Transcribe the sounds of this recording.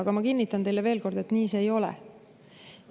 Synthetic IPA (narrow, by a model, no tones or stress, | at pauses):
ɑɡ̥ɑmɑkinːit̪ːˑɑnt̪e̞jle̞ve̞ːlko̞rd̪e̞t̪niːse̞ːjo̞lɛ̰